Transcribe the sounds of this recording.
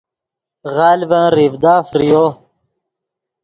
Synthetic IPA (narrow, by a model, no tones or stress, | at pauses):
ɣaːlibɐ̃nɾivd̪aːfɾijo